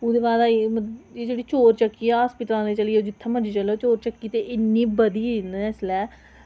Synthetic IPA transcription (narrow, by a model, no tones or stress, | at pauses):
uːd̪eːʋaːd̪aməeːd͡ʒeːɽiːt͡ʃoːɾt͡ʃəkːiːaːɦəspɪʈãːnẽːt͡ʃəliːoːd͡ʒɪt̪ʰːãːmənd͡ʒeːt͡ʃəleot͡ʃoːɾt͡ʃəkːiːt̪eːʔɪnːiːbəd̪iːnɛːslɛː